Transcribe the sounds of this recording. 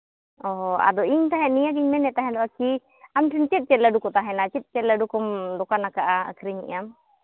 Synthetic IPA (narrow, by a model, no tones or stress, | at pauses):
ɔɦɔa̰d̪ɔʔiɲt̪aɦɛ̃ʔnijaɡiɲmɛnɛt̪aɦɛ̃d̪ɔʔaki | amʈʰɛnt͡ʃɛt̪̚ˀt͡ʃɛt̪laɖukɔt̪aɦɛnat͡ʃɛt̪̚t͡ʃɛt̪ləɖukɔmd̪ɔkanakaʔaə̰kʰɾiɲḭʔam